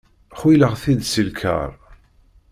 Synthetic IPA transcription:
χwiləʁθid̪silkʰə̰ɾˤ

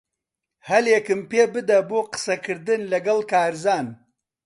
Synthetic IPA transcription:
hɐljekəmpebəd̪aboqsɐkɨɾd̪ənlɐɡɐlkaːɾzaːn

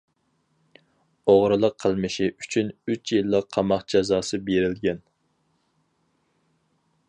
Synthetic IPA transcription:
oʁɾɨlˠəqʰːəlˠmɨʃiʔyt͡ʃʰynyt͡ʃʰjilːəqʰːɑmɑχd͡ʒɑzɑːsɨbeɾɪlɡʲɛn

